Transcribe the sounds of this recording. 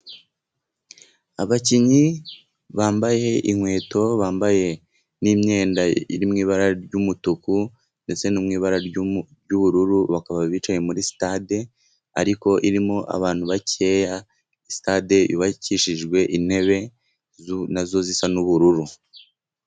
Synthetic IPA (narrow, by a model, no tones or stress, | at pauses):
aβaciɲi | βaːmbaje̞ʔiŋ̥we̞ːto̞βaːmbaje̞ | nimɲe̞ːndaḭɾimŋiːβaɾaɾɟumutuku | nde̞t͡se̞numŋiːβaɾa | ɟuβuɾuɾuβakaβaβit͡ʃaɲe̞muɾisi̥tade | a̰ɾiko̞ʔiɾimo̞ʔa̰βaːn̥huβace̞ːja | isi̥taːde̞ʔṵβaciʃiʒɡwe̞ʔin̥he̞βe̞ | nazo̞zisanuβuɾuɾu